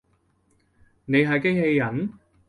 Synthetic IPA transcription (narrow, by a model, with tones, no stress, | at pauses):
ne˨˧jɦɐ˨jkɪ˥ŋhe˧jːɐ˨˥n